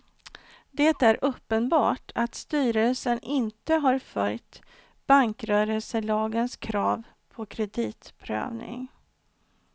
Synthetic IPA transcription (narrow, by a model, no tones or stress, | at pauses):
d̪et̪æɾʔɵpːənbɑ̰ːʈʰat̪st̪yːɾəlsənʔɪnt̪əɦɑɾfœlt̪ | b̥aŋkɾœːɾəlsəlɑːɡənskʰɾɑːv | pʰɔkʰɾɛd̪iːt̪pʰɾø̰ːvnɪ̰ŋ